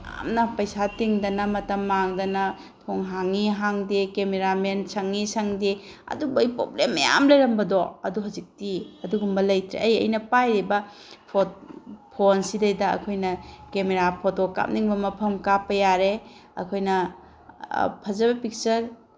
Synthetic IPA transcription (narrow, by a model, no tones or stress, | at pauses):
a̰mnɐpɐjsatiŋdɐnɐmɐtɐmːaŋdɐnɐ | tʰoŋɦaŋiɦaŋdekemeɾamensɐŋːisɐŋde | ɐ̰dubɐjpɾo̰blemːɐja̰mlɐjɾɐmbɐdoɐ̰duɦɐzik̚tiɐduɡumbɐlɐjtɾḛʔɐjɐ̰jnɐpajɾibɐ | pʰotpʰonsidɐjdɐɐ̰kʰojnɐkemeɾapʰotoka̰m̚niŋbɐmɐpʰɐmkapːɐjaɾeɐ̰kʰojnɐ | pʰɐzɐbɐpik̚t͡ʃɐɾ